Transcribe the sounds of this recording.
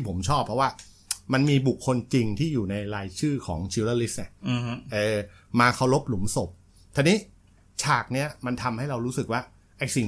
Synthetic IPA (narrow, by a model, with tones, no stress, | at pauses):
i˥˩pʰo˩˦mt͡ɕʰɔː˥˩pʰɾɔ˦˥waː˥˩ | ma˧nmiː˧bu˨˩kʰːo˧nt͡ɕi˧ŋt̪ʰiː˥˩juː˨˩na˧jɾaː˧jt͡ɕʰɯː˥˩kʰɔː˩˦ŋt͡ɕʰi˧wlaː˧li˦˥s̚na˧˥˩ʔɤː˧ | maː˧kʰa˧˩wɾo˦˥p̚lu˩˦mso˨˩p̚ | t̪ʰa˧niː˦˥ | t͡ɕʰaː˨˩k̚ni˦˥ɐma˧nt̪ʰa˧mha˥˩jɾa˧wɾuː˦˥sɯ˨˩k̚waː˥˩ | ʔa˦˥˩jsi˨˩ŋ